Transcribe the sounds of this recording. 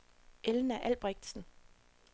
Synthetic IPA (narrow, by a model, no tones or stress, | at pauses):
ʔelnæʔælb̥ʁɛɡ̥̚d̥sn̩